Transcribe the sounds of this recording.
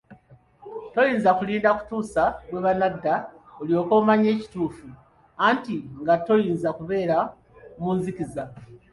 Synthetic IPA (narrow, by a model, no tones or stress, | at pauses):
to̞jiːnzakuliːndaku̥tuːsaβwe̞βanadːaoljoːko̞ːmaɲe̞ːci̥tuːfu | aːntiŋɡato̞jiːnzakuβe̞ːɾa | muːnziciza